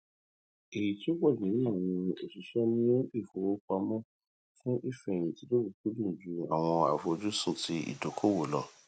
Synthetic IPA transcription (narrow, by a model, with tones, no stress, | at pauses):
e˨ji˨ti˦o˦ɡ͡bɔ˦˨ĩ˨˦a˦˨w̃ɔ̃˧ḛ˨ʃi˨˦ʃɛ˦nĩ˦o˦i˦˨fo˨wo˦k͡pa˧mɔ̃˦ | fũ˦ʔi˦˨fɛ̃˧˨ĩ˨ti˧˦do˦ɡu˨ku˦lũ˦˨d͡ʒu˨˦a̰˨w̃ɔ̃˧a̰˨fo˧d͡ʒu˦su˦˨tʰi˨˦ḭ˦˨do˨˦kʰo˦˨wo˨lɔ˦˨